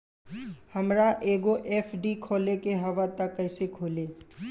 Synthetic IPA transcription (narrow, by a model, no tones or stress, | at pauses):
həmɾaʔeːɡoʔeːpʰɖikʰoːlekeɦəʋat̪əkːəɪsekʰoːleː